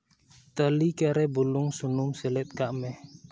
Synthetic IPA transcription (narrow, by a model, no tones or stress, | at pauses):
t̪əlikaɾɛbulʊŋsunumsilɛt̪̚kaʔmɛh